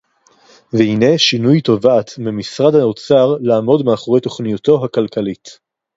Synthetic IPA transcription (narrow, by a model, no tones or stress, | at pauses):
vehine̞ʃinujto̞vatmimisʁadhaot͡saʁlaːmo̞dmeaχo̞ʁe̞jto̞χnijuto̞ɦakalkalit